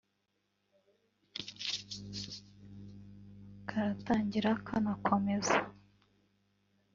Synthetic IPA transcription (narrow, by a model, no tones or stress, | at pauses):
kʰaɾataːɲɟiɾakʰanakʰo̞me̞za